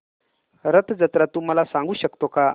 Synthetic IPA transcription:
ɾət̪ʰd͡zət̪ɾat̪ːum̤alasãŋɡuːɕəkt̪oka

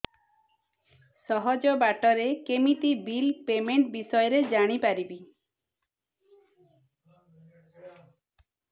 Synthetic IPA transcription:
sɔɦɔd͡ʒɔbaʈɔɾekemit̪ibilpemeɳʈbisɔjɔɾed͡ʒaɽ̃ipaɾibi

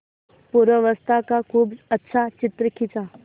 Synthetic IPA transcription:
puɾʋəʋəst̪ʰakakʰuːbətːʃʰat͡ʃɪt̪ɾəkʰit͡sa

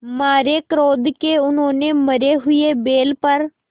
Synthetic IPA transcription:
maːɾeːkəɾoːd̪keːʊnɦõːneːməɾeːɦʊeːbeːlpəɾ

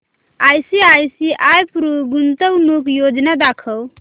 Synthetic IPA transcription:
ajsiajsiʔajpɾuɡunt̪əwnukjod͡ʒnad̪akʰəw

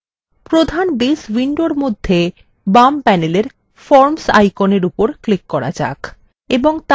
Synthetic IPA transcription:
pɾod̪ʱanbiswiɳɖoɾmod̪ʱːe | bampɛneleɾ | fɔɾmsa̰jkoneɾupoɾklikːɔɾa̰d͡ʑa̰k | eboŋt̪

